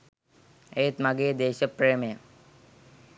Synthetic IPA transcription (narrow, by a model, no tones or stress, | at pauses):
eːt̪mɐɡeːd̪eːɕɐpɾeːmɐjɐ